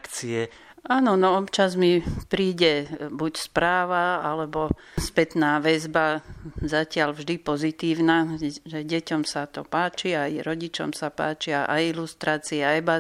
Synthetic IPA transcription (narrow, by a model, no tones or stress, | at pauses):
kt͡siɛ | aːnɔnɔɔpt͡ʃazmipɾiːɟɛbucspɾaːʋaalɛbɔ | spɛt̪naːʋɛzbazacɪalvʒd̪ipɔzit̪iːʊnaʒɛjɟɛcɔmsat̪ɔpaːt͡ʃiajɾɔɟit͡ʃɔ̰msapa̰ːt͡ʃiaʔa̰jilust̪ɾaːt͡siɛɛba